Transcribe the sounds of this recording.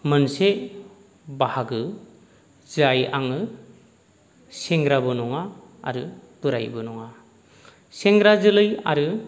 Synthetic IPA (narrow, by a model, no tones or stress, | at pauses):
mɯnse | bahaɡɯ | zajaŋɯ | seŋɡɾabɯnɔŋa̰ː | ɾɯb̥ɯɾajbɯnɔŋa | seŋɡɾazɯlɯja̰ɾɯ